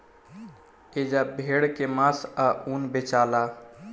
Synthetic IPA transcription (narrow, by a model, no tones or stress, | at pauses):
ed͡ʒabʱeɽkemasaunbet͡ʃala